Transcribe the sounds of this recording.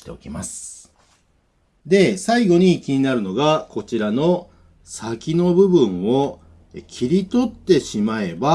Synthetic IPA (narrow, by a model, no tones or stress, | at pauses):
t̪e̞okʲimasɨ̥ | d̪e̞saiɡo̞ɲ̟ikʲiɲ̟inaɾɯ̟no̞ɡako̞t͡ɕiɾano̞ | sakʲino̞bɯ̟bɯ̟̃ɰ̃o̞ | kʲʰiɾʲit̪o̞t̪ːe̞ɕimae̞ba